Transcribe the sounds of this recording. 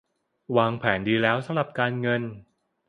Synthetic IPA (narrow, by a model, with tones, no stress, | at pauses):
waː˧ŋpʰɛː˩˦ndiː˧lɛː˦˥wsa˨˦mɾa˨˩p̚kaː˧nŋɤ˧n